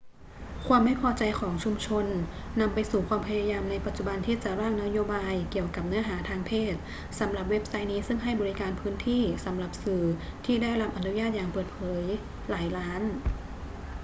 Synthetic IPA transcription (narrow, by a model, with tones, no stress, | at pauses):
kʰwaː˧mːa˥˩jpʰɔː˧t͡ɕa˧jkʰɔː˩˦ŋt͡ɕʰu˧mt͡ɕʰo˧nːa˧mpa˧jsuː˨˩kʰwaː˧mpʰa˧ja˧jaː˧mna˧jpa˨˩t̪̚t͡ɕu˨˩ba˧nt̪ʰiː˥˩t͡ɕa˨˩ɾaː˥˩ŋna˦˥joː˧baː˧jki˨˩əwka˨˩p̚nɯ˦˥ɐɦaː˩˦t̪ʰaː˧ŋpʰeː˥˩t̪̚ | sa˩˦mla˨˩p̬̚we˦˥p̚sa˦˥jniː˦˥sɯ˥˩ŋɦa˥˩jbɔː˧ɾi˦˥kaː˧npʰɯː˦˥nt̪ʰiː˥˩sa˩˦mla˨˩p̚sɯː˨˩t̪ʰiː˥˩daː˥˩jɾa˦˥p̚ʔa˧nu˦˥jaː˥˩t̪̚jaː˨˩ŋpɤː˨˩t̪̚pʰɤː˩˦j | laː˩˦jlaː˦˥n